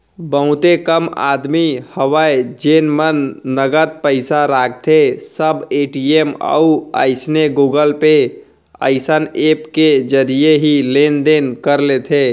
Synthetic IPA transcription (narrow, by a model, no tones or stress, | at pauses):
bəɦʊ̃t̪ekəma̰ːd̪mihəwaed͡ʒeːnmənːəɡət̪̚pəɪsaɾaːkʰt̪ʰesəbeːʈieːmə̰ua̰ɪsneɡuːɡəlpe | ə̰ɪsəneːpked͡ʒəɾijeɦileːnd̪eːnkəɾlet̪ʰeː